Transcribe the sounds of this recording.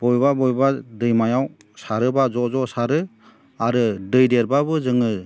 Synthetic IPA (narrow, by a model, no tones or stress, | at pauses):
b̥ɔjbabɔjbadɯjmajaw | saɾɯbazɔzɔsaɾɯ | aɾɯdɯjdeɾbabɯzɯŋɯ